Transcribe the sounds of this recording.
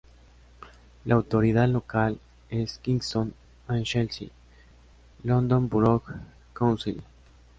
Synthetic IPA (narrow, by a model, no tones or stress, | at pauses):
laːwt̪oɾiðaðlokal | eskiŋst̪on | anʃelsḭ | lond̪o̞mbɾok | kawnsil